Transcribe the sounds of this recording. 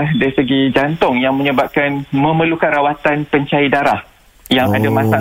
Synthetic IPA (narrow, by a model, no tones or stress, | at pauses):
hdaɾisəɡid͡ʒant̪ʊŋjaŋmə̃ɲəbap̚kanmə̃məlukanrawat̪anpəɲt͡ʃaidaɾah | jaŋadamãsa